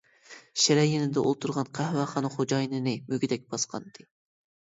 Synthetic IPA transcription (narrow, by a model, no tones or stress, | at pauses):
ʃeɾɛjenɪd̪ɛʔo̰lˠt̪ʰuɾʁɑnqʰæhwɑχɑnχod͡ʒɑjnɨnɨmøɡʲid̪ɛk̚ʲb̥ɑsqʰɑ̰nd̪ɨ